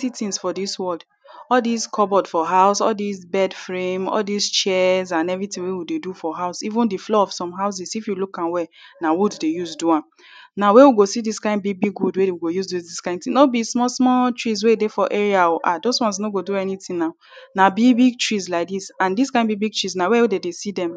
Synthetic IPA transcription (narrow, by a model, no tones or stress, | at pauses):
titĩŋsfɔdiswɔld | ɔldiskʰɔbɔdfɔɦaʊsɔ̰ldisbɛdfɹẽmɔ̰ldist͡ʃɛzãnɛvɹitĩŋwewidedufɔɦaʊsivũndiflɔɔv̥sɔ̃mɦaʊs̬isifjulukãnwɛnawuddejuzduãm | nawewiɡosidiskãɪ̃nbibiɡwudwedewiɡojuzdudiskãɪ̃ntĩnobismɔsmɔtɹis̬weedefɔʔeɹiaoʔa̰dozwɔ̃ns̬noɡoduɛnitĩŋnaʊ | nabibiɡ̚tɹislaɪk̚disãndiskãɪ̃nbibiɡ̚tɹisnawɛdedesidɛ̃m